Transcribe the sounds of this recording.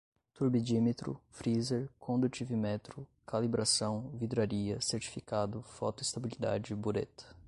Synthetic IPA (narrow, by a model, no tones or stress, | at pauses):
t̪uɾbid͡ʒimet̪ɾʊ̰fɾizeɾkʰõnd̪ut͡ʃivimɛt̪ɾʊkʰalibɾasɐ̃w̃vid̪ɾaɾiɐseɾt͡ʃi̥fikad̪ʊfɔt̪ʊist̪abilid̪a̰d͡ʒɪbuɾḛt̪ɐ̥